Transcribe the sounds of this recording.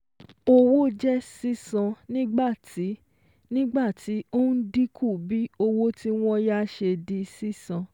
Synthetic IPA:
o˧wo˦d͡ʒɛ˦si˦sã˧nĩ˦ɡ͡ba˦˨tʰi˨˦ | nĩ˦ɡ͡ba˦˨tʰi˨˦o˦n̩˦di˦kʰu˦˨bi˨˦o˧wo˦ti˦w̃ɔ̃˦ja˦ʃe˧di˧si˦sã˧

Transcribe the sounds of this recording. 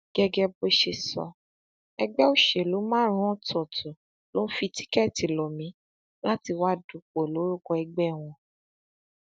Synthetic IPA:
ɡ̥ɛ˦ɡɛ˧bo˦ʃe˧sɔ̰˧ | ɛ˧ɡ͡bɛ˦o˦˨ʃe˨lo˨˦mãː˦ɾ̃ũ˦ɔ̃˦tʰɔ˨tu˨ | lo˨˦n̩˦fi˧ti̥˦kɛ˦˨ti˨lɔ˨mĩ˨˦ | la˦ti˧wa˦du˨˧˦k͡po˨lo˨˦ɾu˦kɔ˧ɛ˧ɡ͡bɛ˦˨w̃ɔ̃˧

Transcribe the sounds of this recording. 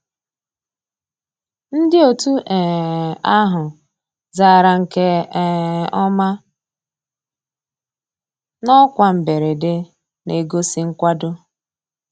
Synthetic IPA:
n̩˦dɪ˦o˨tu˦ʔɛ˨a˦ɦʊ˨ | zaː˦˨ɾa˨ŋ̩˨ke˦ | ɔ˦ma˦ | nɔ˦kʷa˨m̩˨be˨ɾe˨de˦ | ne˨ɡo˦si˦ŋ̩˦kʷa˦dʊ˦

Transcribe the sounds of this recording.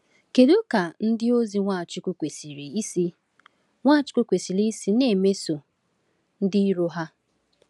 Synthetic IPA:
ke˨ɾo˦ka˨n̩˦dɪ˦o˦zi˦ŋʷa˦˨t͡ʃʊ˦ku˦kʷe˨si˨ɾi˨i˦si˦ | ŋʷa˦˨t͡ʃʊ̥˦ko˦kʷe˨si˨ɾi˦i˦si˦ne˦˨me˦so˨ | n̩˦dɪ˦i˦ɾo˦ɦa˦

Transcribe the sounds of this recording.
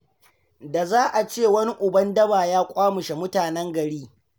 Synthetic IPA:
da˨zaː˦ʔa˨t͡ʃeː˦˨wɐ˦ni˦ʔʊ˨bɐ˦ndɐ˦baː˨jaː˦kʷʼaː˦mʊ˨ʃe˨mʊ˦taː˨nɛ˦ŋɡɐ˨ɽiː˦

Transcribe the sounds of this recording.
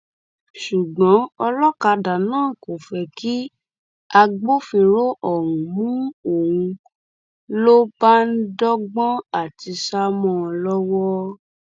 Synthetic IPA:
ʃu˨ɡ͡bɔ̃˨˦ɔ˧lɔ˦ka˧da˨nãː˦˨ko˨fɛ˧ki˦ | a˧ɡ͡bo˦fĩ˧ɾo˦ʔɔ˦˨wũ˨mũ˦o˦˨w̃ũ˧ | lo˦b̥a˦n̩˦dɔ˦ɡ͡bɔ̃˦a˦˨ti˧ʃa˦mɔ̃˦˨˧lɔ˦wɔ˦

